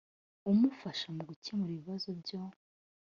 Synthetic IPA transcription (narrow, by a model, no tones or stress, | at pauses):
umufaʃamuɡucemuɾiβiβazobɟo